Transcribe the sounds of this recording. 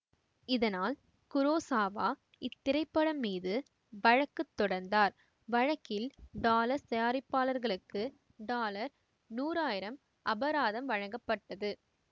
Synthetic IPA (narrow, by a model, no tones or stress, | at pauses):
ɪðɐnaːl | kʊɾoːsaːʋaː | ɪt̪ːɪɾɐɪpːɐɽɐmːiːðɯ | ʋɐɻɐkːɯt̪ːɔɽɐɾnd̪aːɾ | ʋɐɻɐkːɪlɖaːlɐɾsɐjaːɾɪpːaːlɐɾɣɐɭɯkːɯ | ɖaːlɐɾ | nuːɾaːjɪɾɐm | ʔɐbɐɾaːðɐmʋɐɻɐŋɡɐpːɐʈːɐðɯ